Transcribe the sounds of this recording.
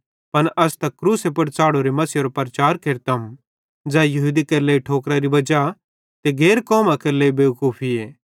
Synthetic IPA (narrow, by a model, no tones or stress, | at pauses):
pɐnʔɐst̪ɐkkːɾuːsepʊɽt͡saːɽoɾemɐsɪjoɾopɐɾɐt͡ʃaːɾkeɾt̪ɐm | d͡zɛ̃ːjɐɦud̪ikeːleiʈʰoːkɾaɾibɐd͡ʒa | t̪eɡeːɾkɔːmakeːlebeːkuːpʰieː